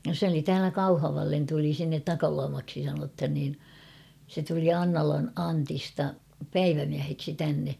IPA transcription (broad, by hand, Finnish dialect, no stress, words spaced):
sĕ oli tæːlæ kɑuhɑʋɑlːen tuli sinːet tɑkɑluɑmɑksi sɑnothɑn niːn se tuli ɑŋnɑlɑn ɑntistɑ pæiʋæmiæheksi tænːe